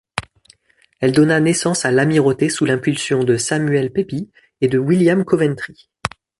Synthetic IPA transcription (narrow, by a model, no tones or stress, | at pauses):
ɛld̪ɔnanesɑ̃salamiʁot̪esulɛ̃pylsjɔ̃d̪əsamyɛlpepi | ed̪əwiljamkɔvɛ̃nt̪χi